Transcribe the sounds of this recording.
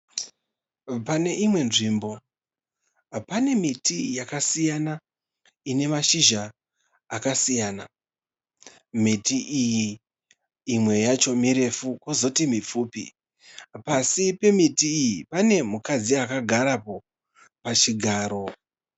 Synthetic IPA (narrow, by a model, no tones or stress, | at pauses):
pane̞ʔimwe̞nʐiːmbo̞ | pane̞mitʰijakasijana | ine̞maʃiʒaː | kasijana | mitiʔijiː | mwe̞jat͡ʃo̞miɾe̞fukozo̞timip͡fuːpḭ | pasipe̞mitiːjipane̞mukad͡ziakaɡʱaɾapo̞ | pat͡ʃiɡʱaːɾo̞